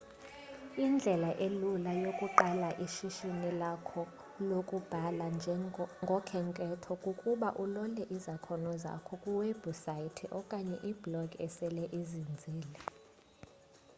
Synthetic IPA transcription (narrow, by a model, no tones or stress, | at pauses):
ind͡ɮʱɛlaʔelulajokʼuǃalaʔiʃiʃinilakʰɔ | lokʼub̥ʱalanʱŋɡʱɔkʰɛŋkʼɛtʰɔkʼukʼuɓaʔulɔlɛʔizakʰɔnɔza̰kʰɔkʼuwɛbusajitʰɛʔɔkʼaɲɛʔiblɔɡʱɛsɛlɛʔizind͡zʱiːlɛ